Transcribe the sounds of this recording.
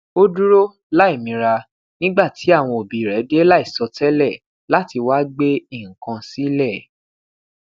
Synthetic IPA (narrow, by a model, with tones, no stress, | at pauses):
o˦du˦ɾo˦ | la˦i˦˨mĩ˧ɾa˧ | nĩ˦ɡ͡ba˦˨ti˨˦a˦˨w̃ɔ̃˧o˨bi˨ɾɛ˨˦de˦la˦i˦˨sɔ˧tɛ˦lɛ˦˨ | la˦ti˧wa˦ɡ͡be˦i˦˨ŋ̩˨kã˧si˦lɛ˦˨